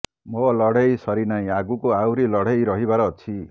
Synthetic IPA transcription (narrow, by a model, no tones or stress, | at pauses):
mʌlʌɽ̤ejsʌɾinaĩaɡukoawɾilʌɽ̤ejɾʌɦibaɾʌt͡sʰi